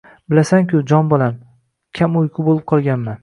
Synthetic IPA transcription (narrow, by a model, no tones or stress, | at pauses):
bɪlasaŋkʲʊd͡ʒɒnbɒlam | kʲʰamojqʰʊbolˠɪp̚qʰɒlˠɡʲanman